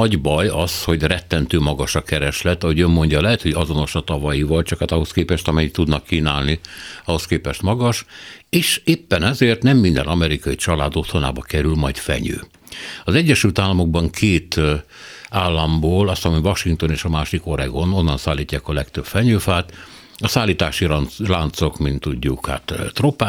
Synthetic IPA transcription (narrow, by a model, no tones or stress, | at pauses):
ɒɟbɒjɒsho̞ɟrɛt̪ːɛnt̪øːmɒɡɒʃɒkɛɾɛʃlɛt̪ːɒɦo̞ɟømːo̞ɲɟɒlɛɦɛt̪ho̞ɟɒzo̞no̞ʃɒt̪ɒvɒjivɒlt͡ʃɒkhat̪ɒɦo̞skeːpɛʃt̪ɒmɛjit̪ud̪nɒkːiːnaːlniɒho̞skeːpɛʃt̪mɒɡɒʃeːʃeːpːɛnɛzeːrt̪nɛmːind̪ɛ̰nʔɒmɛɾikɒjit͡ʃɒlaːd̪o̞t̪ʰho̞na̰ːbɒkɛɾylmɒjt̪fɛ̰ɲø̰ː | ɒzɛɟːɛʃylt̪aːlːɒmo̞ɡ̚bɒŋkʰeːt̪ | aːlːɒmboːlɒst̪ɒmivɒʃiŋt̪o̞neːʃɒmaːʃiko̞ɾɛɡo̞no̞nːɒnsaːlːiːcːaːkɒlɛkt̪øb̥fɛɲøːfaːt̪ | ɒsaːlːiːt̪aːʃilant̪so̞kmint̪ːuɟːukha̰t̪ːt̪ropaː